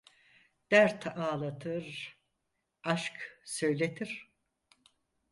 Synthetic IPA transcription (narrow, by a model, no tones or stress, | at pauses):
d̪̥æɾt̪ʰaːlˠat̪ʰɯɾ | aʃksøjlʲet̪ʰiɾ̥